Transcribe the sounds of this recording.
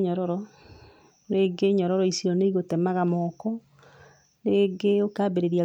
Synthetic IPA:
ɲɔɾɔɾɔ | neɡeɲɔɾɔɾɔisiɔneiɣotɛmaɣamɔkɔ | neɡeokaːbeɾeɾia

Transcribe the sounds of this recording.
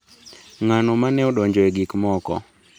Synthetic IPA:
ŋanomanɛoɗɔɲd͡ʒɔɛɡikmɔkɔ̰

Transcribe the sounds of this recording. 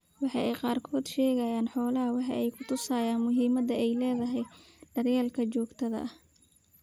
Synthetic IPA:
wɑħɑjʔɛjqɑːrkʰɔːd̪ʃɛːɣɐjaːnħɔːlɐɦɐwɑħɑ̰ʔɛjkʰʊt̪ʰʊsaːjaːnmʊɦiːmɐd̪ɐɛjlɛːðɐɦɛj | ɖ̥ɐrjaːlkʰɐt͡ʃɔːɡt̪ʰɐðɐ̰ʔ

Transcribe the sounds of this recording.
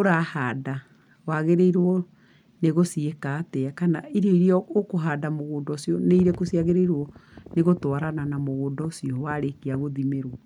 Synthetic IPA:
oɾahaːda | waɣeɾeiɾwɔ | neɣosiekaːtɛakanaiɾeiɾiɔokoɦadamoɣoːndɔsjɔneiɾekosiaɣeɾeiɾwɔneɣotwaɾananamoɣoːndɔsiɔwaɾekiaɣoðimeɾwɔ

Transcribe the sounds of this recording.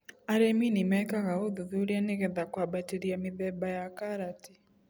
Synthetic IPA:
aɾɛminimɛkaɣaoðuðuɾianeɣɛðakwabatiɾiamiðɛbajakaɾati̥

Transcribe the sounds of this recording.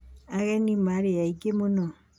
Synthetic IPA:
aɣɛnimaɾejaiɡemonɔ

